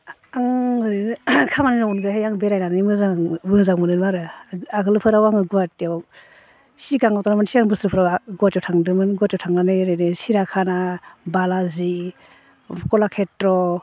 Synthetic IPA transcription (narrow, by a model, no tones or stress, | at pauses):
aŋɯɾinkʰamaninɔwunɡɯɦejaŋbeɾajnanɯmɯzamɯzaŋmɯnɯnmaɾɯaɡɯlpʰɯɾawaŋɯɡuatiaw | siɡaŋawtanamansiaŋbɯsɾɯpʰɾawaɡɔtɔwtʰaŋdɯmɯnɡɔtɔwtʰaŋnanɯjɾɯnesiɾakʰanabalazi | kɔlakʰetɾɔ